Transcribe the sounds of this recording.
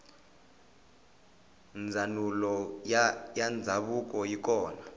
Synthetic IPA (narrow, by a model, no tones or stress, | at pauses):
nd͡zʱanulɔ | jand͡zʱaɓuk̬ʼɔjik̬ʼɔːna